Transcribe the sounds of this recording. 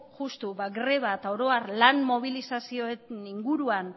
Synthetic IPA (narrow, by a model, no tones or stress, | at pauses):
ʝust̪uβaɡɾe̞βaet̪ao̞ɾo̞arlanmo̞β̞ilisasio̞eniŋɡuɾuan